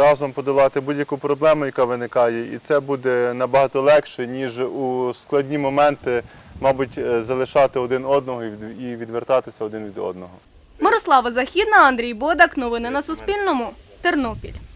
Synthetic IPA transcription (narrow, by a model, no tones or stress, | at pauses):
ɾɑzɔmpɔd̪ʊlˠɑt̪ɪbudʲjɐkupɾɔblˠɛmʊjɐkɑʋɪnɪkɑjɛḭt̪sɛbud̪ɛnɐbɐɦɑt̪ɔlˠɛkʃɛnʲiʒusklˠɐdʲnʲimɔmɛnt̪ɪ | mɑbʊtʲzɐlˠɪʃɑt̪ɪɔd̪ɪnɔd̪nɔɦɔd̪iʋʲid̪ʋert̪ɑt̪ɪsʲɐɔd̪ɪnʋʲid̪ɔ̰d̪nɔɦɔ | mɔɾɔslˠɑʋɐzɐxʲid̪nɐɐnd̪ɾʲijbɔd̪ɐknɔʋɪnɪnɐsʊspʲilʲnɔmʊt̪ernɔpʲḭlʲ